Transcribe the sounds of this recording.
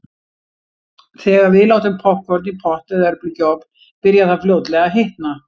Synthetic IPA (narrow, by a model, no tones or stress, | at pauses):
θɛːɣaɾvɪðlaːwht̪ɪmpʰɔhkʰvɔɾt̪nipʰɔht̪ɛðɛɾplɪcɔp | pɪɾjaðθafljoːwt̪lɛɣaɦɪht̪na